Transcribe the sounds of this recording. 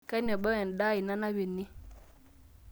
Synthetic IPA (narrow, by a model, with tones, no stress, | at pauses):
ka˦nɔ˨ɓa˦we˨nɗa˦i˨na˦na˦wi˨nːi˦